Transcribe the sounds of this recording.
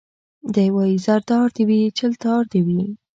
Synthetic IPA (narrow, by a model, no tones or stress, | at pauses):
d̪əjwɑizaɾd̪ɑɾd̪ewit͡ʃəlt̪ɑɾd̪ewi